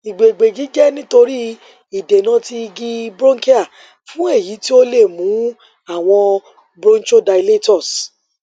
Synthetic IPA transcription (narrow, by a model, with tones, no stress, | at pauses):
i˨ɡ͡be˨ɡ͡be˨ɡi˨˦d͡ʒɛ˦nĩ˦to˧ɾi˦ | i˨de˨nã˨˦ti˧ɡi˧bɾõ˦ke˦a˦˨ | fũ˨˦e˦˨ji˨˦ti˦o˦le˦˨mũ˨˦ | a˦˨w̃ɔ̃˧ | bɾõ˦n˦t͡ʃo˦˨da˧jle˦tɔ˦˨s